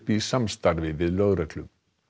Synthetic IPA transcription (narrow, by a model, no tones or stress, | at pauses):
pisamst̪aɾvɪvɪðlœɣɾɛt̪lʏm